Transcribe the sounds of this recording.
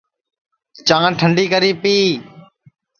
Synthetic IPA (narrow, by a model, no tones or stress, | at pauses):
t͡ʃãːʈʰəɳɖiːkəɾiːpiː